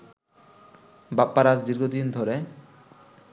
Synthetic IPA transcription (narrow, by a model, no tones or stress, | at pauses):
bapːaɾad͡ʑd̪iɾɡod̪ind̪ʱɔɾe